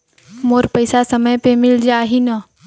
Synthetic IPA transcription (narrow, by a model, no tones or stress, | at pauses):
moːɾpəjsasəməjpemɪld͡ʒaɦina